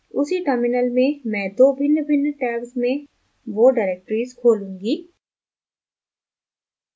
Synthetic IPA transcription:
ʊsiʈəɾmɪnəlmẽmɛ̃ːd̪oːbʱɪnːbʱɪnːʈɛːksmẽ | ʋoːɖaːɾeːk̚ʈɾiːzkʰoːlũːŋɡiː

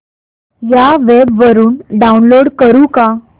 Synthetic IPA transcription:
jaʋebʋəɾuːnɖaunloɽkəɾũːka

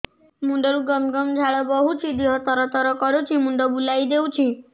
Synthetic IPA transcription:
muɳɖɔɾũɡɔmɡɔmd͡ʒʱaɭɔbɔɦut͡ʃʰid̪iɦɔt̪ɔɾɔt̪ɔɾɔkɔɾut͡ʃʰimuɳɖɔbulajd̪eũt͡ʃʰi

